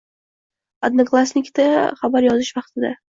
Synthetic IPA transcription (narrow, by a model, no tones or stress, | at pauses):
ad̪naklˠasnɪkt̪aχabaɾjɒzɪʃvɑqt̪ʰɪd̪a̰